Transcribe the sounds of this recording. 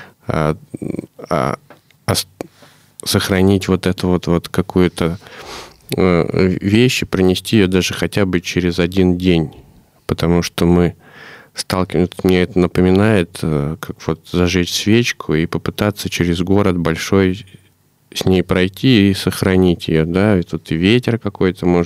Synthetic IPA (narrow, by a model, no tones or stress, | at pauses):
a̰ | ɐs | səxɾɐnʲitʲvo̞t̪ɛt̪ʊvo̞t̪vo̞t̪kɐkujʊt̪ə | vʲeɕːɪpɾɪnʲɪsʲtʲiɪjod̪aʐɨxɐtʲabɨt͡ɕeɾʲɪzɐdʲindʲenʲ | pət̪ɐmuʂt̪omɨ | st̪alˠkʲɪvt̪t̪mnʲeɛt̪ənəpəmʲɪnajɪt̪əkʰakv̥o̞t̪zɐʐɛt͡ɕʲsʲvʲet͡ɕkʰʊipəpɨt̪at̪sːət͡ɕɪɾʲɪzɡo̞ɾət̪̚bɐlʲʂo̞j | sʲnʲejpɾɐjtʲiːsəxɾɐnʲitʲɪjod̪aɪt̪ut̪ɨvʲetʲɪrkɐko̞jt̪əmo̞ʐ